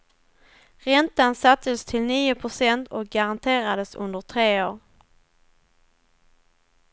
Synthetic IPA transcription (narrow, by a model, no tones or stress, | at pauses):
ɾɛnt̪ansat̪ːəst̪ʰɪlniːʊpʰɾʊsɛnt̪ʰɔk̚ɡaɾant̪ʰeːɾad̪əsɵ̰nd̪əʈ̪ʰɾeːoːɾ